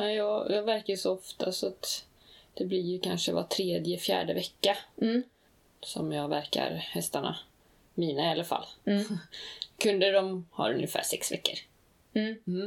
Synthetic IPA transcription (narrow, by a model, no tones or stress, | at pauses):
ajɑːɡjɑːɡvæɾkajʂɔɔft̪ʰasɔat̪ | d̪̥ɛblɪɾjɵkʰanʂəva̰ʈʰɾeːd̪jəfjæ̰ːɖəvɛkːa | sɔ̰mjɑːɡvæɾka̰ɾhɛst̪aɳa̰ | miːnaalːəfa̰lː | kʰɵnd̪əd̪ɔmha̰ːɾɵ̰njəfæ̰ːʂɛksvɛkːəɾ